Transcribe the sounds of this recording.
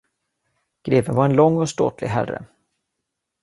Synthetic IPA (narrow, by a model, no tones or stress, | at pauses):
ɡ̥ɾeːvənvaɾɛnlɔŋːɔst̪o̰ːt̪ʰlɪɡɦæ̰rːə̰